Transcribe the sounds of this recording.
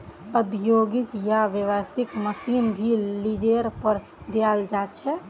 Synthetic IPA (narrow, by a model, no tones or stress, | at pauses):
əd̪joɡɪkjaʋeʋəsɪkməsinbʱilid͡ʒeɾpəɾ | d̪eald͡ʒat͡ʃʰɛ